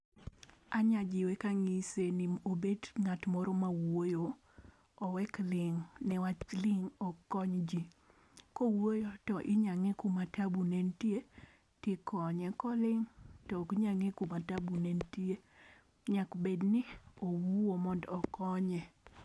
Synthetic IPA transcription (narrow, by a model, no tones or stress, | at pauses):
aɲad͡ʒɪwɛkaŋiseniobedŋatmɔɾɔmawojoː | wɛklɪŋnɛwat͡ʃlɪŋɔkɔɲd͡ʒi | kɔwojotɔʔɪɲaŋɛkumatabunentije | tɪkɔɲɛkɔlɪŋtɔkɲaŋekumatabunentie | ɲakbednɪowuwomɔndɔkɔɲɛ